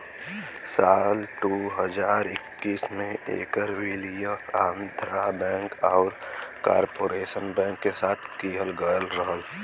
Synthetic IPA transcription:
saːlʈuɦəd͡ʒaːɾɪkːiːsmẽʔḛːkəɾʋilijəaːnd̪ʱɾabɛ̃ːŋkɔːɾka̰ːɾpoːɾeːʃənbɛ̃ːŋkːesaːt̪ʰkiːɦəlɡəəlɾəɦəl

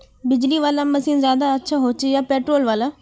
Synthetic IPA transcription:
bɪd͡ʒliʋaːlamɐsiːnzjaːd̪aɐtːʃʰaɦoːt͡ʃejaːpeːʈɾoːlʋaːla

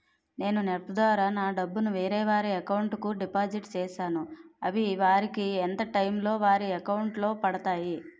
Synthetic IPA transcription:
ne̞ːnunɛɾpːɐd̪ʋaːɾaːnaːɖɐbːunuʋeːɾɛːʋaːɾiɐkɐwɳʈkuɖipaːd͡ʒiʈt͡ʃɛːʃaːnuɐʋiʋaːɾikiɛnt̪ɐʈɐjmlo̞ːʋaːɾiɐkɐwuɳʈlo̞ːpɐɽɐt̪aːji

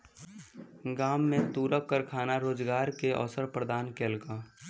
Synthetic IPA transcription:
ɡaːmːẽt̪uːɾəkkəɾkʰaːnaɾoːd͡ʒɡaːɾkeʔɔ̰ːsəɾpɾəd̪aːnkeːlka

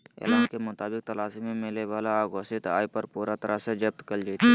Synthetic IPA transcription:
ḛːlaːnkemʊt̪aːbɪk̚t̪ɐlaːsimẽmɪleʋaːlaaːɡoːsɪt̪a̰ːjpɐɾpuːɾat̪ɐɾased͡ʒɐb̚t̪kɐld͡ʒeːt̪i

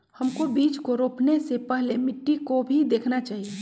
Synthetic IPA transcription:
həmkobiːd͡ʒkoɾoːpnesepɛɦlemɪʈːikobʱid̪eːkʰnat͡ʃaːɦie

